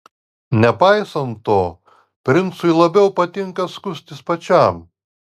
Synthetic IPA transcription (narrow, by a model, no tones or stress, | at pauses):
nʲɛpɑɪsɐnːoː | pʲɾʲɪnˑt̪sʊɪlˠɐbʲɛʊpɐt̪ʲɪŋkɐskʊsʲt̪ʲɪspɐt͡ʃʲæm